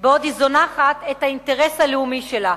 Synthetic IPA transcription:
beod̪izo̞naːχat̪ethainteʁeshaleumiʃela

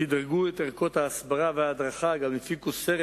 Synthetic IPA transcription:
id̪ɾɡuɛt̪ɛʁkɔt̪aːsbaɾavɪaːd̪ɾaχaɡammɪfikusɛɾ

